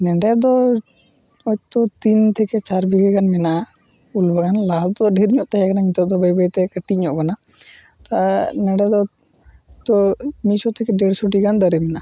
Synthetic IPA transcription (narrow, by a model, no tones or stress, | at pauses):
nɛɖɛd̪ɔ | ɔt̪ɔt̪int̪ʰɛkɛt͡ʃaɾbʱiɡɛɡanmɛna | ulbaɡanlad̪ɔɖɛɾɲɔʔt̪ɛɦɛkanaŋit̪ɔd̪ɔbəjbəjt̪ɛkəʈiɲɔʔkana | t̪anɛɖɛd̪ɔ | t̪ɔmisɔt̪ʰɛkɛɖɛɽsoʈiɡand̪aɾɛmɛna